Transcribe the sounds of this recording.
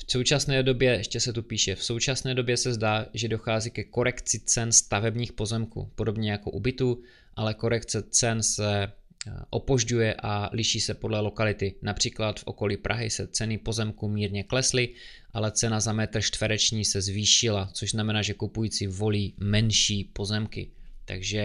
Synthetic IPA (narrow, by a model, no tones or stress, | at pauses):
fso̞wt͡ʃasnɛːdo̞bjɛɛʃcɛsɛt̪upiːʃɛfso̞wt͡ʃasnɛːdo̞bjɛsɛzdaːʒɛdo̞xaːziːkɛko̞ɾɛkt͡sɪt͡sɛnst̪avɛbɲiːxpo̞zɛmkṵːpo̞do̞bɲɛjako̞ʔubɪt̪uː | ʔalɛko̞ɾɛkt͡sɛt͡sɛnsɛ | ʔo̞po̞ʒɟujɛʔalɪʃiːsɛpo̞dlɛlo̞kalɪt̪ɪnapr̝̥iːklat̪fʔo̞̰ko̞liːpɾʔa̰ɦɪsɛt͡sɛnɪpo̞zɛmkumiːɾɲɛklɛslɪ | ʔalɛt͡sɛnazamɛt̪r̩ʃt̪vɛɾɛt͡ʃɲiːsɛzviːʃɪlat͡soʒznamɛnaːʒɛkupujiːt͡sɪvo̞liːmɛnʃiːpo̞zɛmkɪ̰t̪a̰ɡʒɛ